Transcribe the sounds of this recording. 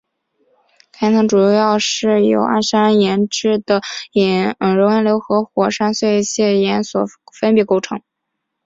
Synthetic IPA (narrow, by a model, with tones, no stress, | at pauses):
kʰa˥ɪt̪ʰɤ˧˥ŋʈ͡ʂu˨˩jɑ˥˧ʊʂɻ̩˥˩jo̰˧˥ʊʔa̰˥˩sa˥ə˧˥˩jɛ˧˥nʈ͡ʂɻ̩˥˩d̪ə˩ɛ˧˩ɻŋjɛ˧˥nljo˧˥ʊxɤ˧˥xwɔ˨˩ʂa˥nswe˥˧ɪ˧ɕjɛ˥˩jɛ˧˥nswɔ˨˩fə˥npjɛ˧˥ko˥ʊʈ͡ʂʰɤ̰˧˥ŋ